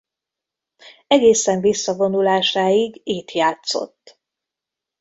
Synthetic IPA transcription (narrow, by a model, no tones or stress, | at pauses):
ɛɡeːsɛɱvisːɒvo̞nulaːʃaːiɡeːt̪jaːt̪so̞̰t̪ː